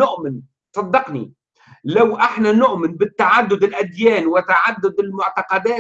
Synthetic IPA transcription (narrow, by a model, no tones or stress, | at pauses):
nʊʔmɪn | sˤɑd̪ːɑqni | lawʔɪħnanʊʔmɪnbɪt̪ːaʕad̪ːʊd̪ɪlʔad̪jæːnwɪt̪aʕad̪ːʊd̪ɪlmʊʕt̪ɑqɑd̪æː